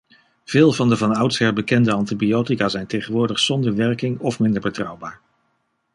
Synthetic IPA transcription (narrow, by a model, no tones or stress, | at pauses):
v̥ɪːlˠvɑndəvɑnʌwtsɦɛɹbəkɛndəɑntibiowtikaːzɛjntejχənʋʊːɹdəχsɔndəɹʋɛɹkɪŋɔfmɪndəɹbətrʌwbaːɹ